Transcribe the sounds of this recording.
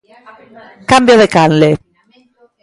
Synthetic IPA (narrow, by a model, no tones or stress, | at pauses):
kambjoðekanle